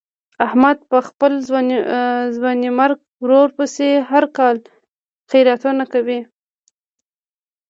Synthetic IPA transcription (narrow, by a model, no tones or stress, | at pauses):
ahmad̪̚pəxpəl | zwɑnimaɾɡ̚ | wɾoɾpəseɦaɾkɑl | xijɾat̪unakawi